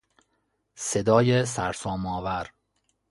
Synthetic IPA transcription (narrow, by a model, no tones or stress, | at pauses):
sed̪ɒːjesæ̰ɾsɒːmɒːvæɾ